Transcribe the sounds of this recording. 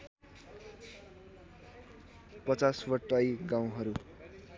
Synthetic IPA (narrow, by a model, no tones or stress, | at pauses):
pʌt͡saswʌʈːʌjɡaw̃ɦʌɾu